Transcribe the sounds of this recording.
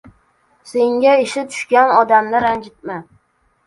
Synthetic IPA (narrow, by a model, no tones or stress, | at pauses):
se̞ŋɡʲaɪʃɪt̪ʰʊ̥ʃkʲanɒd̪amnɪɾand͡ʒɪt̪̚mɪ